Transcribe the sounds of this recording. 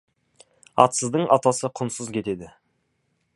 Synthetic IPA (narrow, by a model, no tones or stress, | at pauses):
ɑ̰t̪səzd̪əɴʔɑt̪ɑsəqʰʊnsəzkʲʰe̞t̪e̞d̪ɪ